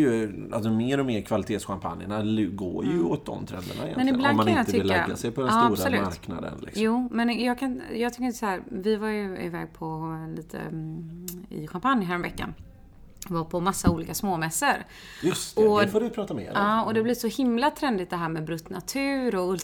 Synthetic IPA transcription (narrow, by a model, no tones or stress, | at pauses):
jɵa̰lsɔmeːɾɔmeːɾkʰvalɪt̪ʰeːt̪sɧampʰa̰njənalɡo̰ːɾjɵɔt̪̚d̪ɔ̰mt̪ʰɾɛ̰nd̪ə̰ɳa̰ɪjɛ̰mɛnɪblanmːaknaɪnjat̪əʏɪlːəɛɡːa̰sɛjpʰɔd̪ɛnsːaːbɾaɔlʉːmaɾkna̰d̪ə̰nlɪ̰ksjuːmɛnjɑːɡkʰajɑːɡt̪ʏkːɾɪnt̪ːəsahæːɾvɪvaɾjɵɪ̰vɛ̰ːɡ̚pʰɔliːt̪ʰə̰ | ɪ̰ɧampanjɦæːɾɔmvɛkːa̰n | vapʰɔmasːauːliːkasmoːmɛsːəɾ | jɵst̪ɔfoːɾɪpʰɾɑːt̪amḛːɾɑːɔd̪ɛblɪʂɔhɪmlat̪ʰɾɛnd̪ɪt̪̚d̪ɛɦæːɾmɛbɾɵt̪ːnat̪ʰʉ̟ːɾɔɵl